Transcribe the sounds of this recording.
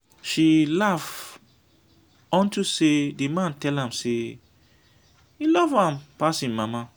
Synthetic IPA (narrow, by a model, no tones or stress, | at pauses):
ʃilaf | ɔ̃ntusedimãntɛlãmse | ilɔvãmpasĩnmama